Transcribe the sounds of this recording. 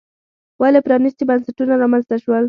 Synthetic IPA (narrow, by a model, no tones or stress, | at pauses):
walepɾɑnist̪ibansaʈunaɾɑmanzt̪aʃwəl